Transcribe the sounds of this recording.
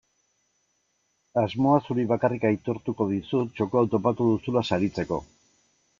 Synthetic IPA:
azmo̞asuɾiβakarikajt̪oɾt̪uko̞ðisut̪t͡ʃo̞ko̞awt̪o̞pat̪uðusulasaɾit͡se̞ko̞̰

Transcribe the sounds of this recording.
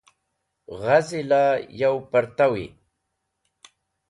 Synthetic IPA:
ɣazilajawpaɾt̪awḭ

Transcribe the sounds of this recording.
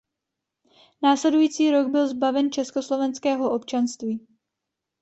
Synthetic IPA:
naːslɛdujiːt͡siːɾo̞ɡbɪlzbavɛnt͡ʃɛskoslo̞vɛnskɛːɦo̞ʔo̞pt͡ʃanst̪viː

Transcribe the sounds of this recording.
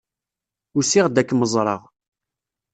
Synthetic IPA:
ʊɾsiʁd̪ækːməzˤɾˤɑ̰ʁ

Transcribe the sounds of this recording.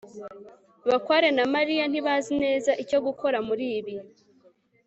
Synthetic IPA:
βakwaːɾe̞namaɾijan̥iβazine̞ːzaʔico̞ɡuko̞ɾamuɾiːβi

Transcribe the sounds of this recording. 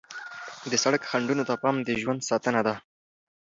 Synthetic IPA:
d̪əsaɽəkxaɳɖunot̪apɑmd̪əʒwand̪sɑt̪ənad̪a

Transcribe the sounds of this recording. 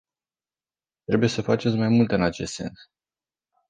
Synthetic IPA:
t̪ɾe̞buje̞səfat͡ʃet̪sʲmajmult̪ɨnat͡ʃe̞st̪se̞̰ns

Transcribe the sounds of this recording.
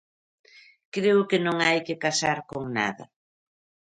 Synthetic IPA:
kɾeʊkɪnõŋajkɪkasaɾkoŋna̰ðɐ̰

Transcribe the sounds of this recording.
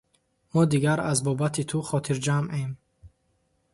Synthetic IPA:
mɔd̪iɡaɾazbɔbat̪ʰit̪ʰuχɔt̪ʰiɾd͡ʒamʔem

